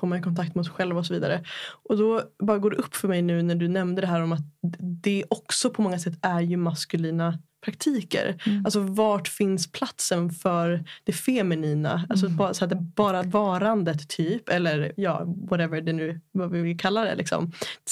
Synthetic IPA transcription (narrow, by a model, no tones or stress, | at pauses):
foːmanɪkʰɔnt̪ʰak̚t̪mɛɔsɧɛlvaɔsɔviːd̪a̰ɾəʔɔd̪ɔbɑːɾaɡoːɖɛʔɵpːfœmɛjnʉ̟ːnæɖɵnɛmnd̪əd̪ɛɦæːɾɔmat̪̚d̪ɛʔɔksɔpʰɔmɔŋːasɛt̪ːæɾjɵmaskɵliːnapʰɾak̚t̪ʰiːkə̰ɾalsɔvɑːʈfɪnspʰlat̪sənfœɾd̪̥ɛfɛmɛniːna̰als̬ɔbɑsæːd̪ɛbɑːɾavɑːɾand̪ət̪ʰːyːpɛlːəɾjɑ̰ːvaɾɛvəɖɛnʉ̟ːvavɪvɪlkʰalːad̪ɛ̰lɪ̰ksɔ̰m